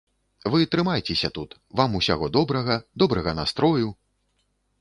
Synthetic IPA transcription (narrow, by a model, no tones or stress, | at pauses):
vɨt̪ɾɨmajt͡sʲesʲɐt̪ut̪vamusʲa̰ɣɔd̪ɔbɾɐɣɐd̪ɔbɾɐɣɐnast̪ɾɔju